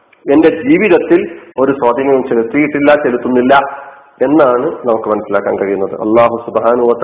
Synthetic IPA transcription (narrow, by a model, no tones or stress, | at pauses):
e̞nde̞d͡ʑiːʋiðɐt̪ːilo̞ɾusɐːd̪iŋːɐumt͡ɕe̞lut̪ːijiʈːilːɐt͡ɕe̞lut̪ːunːilːɐ | e̞nːaːɳɨnɐmukːɨmɐnɐsːilaːkːaːnkɐɾɻijunːɐðɨ̰ʔɐ̰lˠːaːɦusubɦaːnɐɦuʋɐt̪